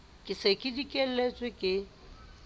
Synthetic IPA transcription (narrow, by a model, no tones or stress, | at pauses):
kʼɪsekʼidikʼɛl̩ːet͡sʼwɪkʼɪ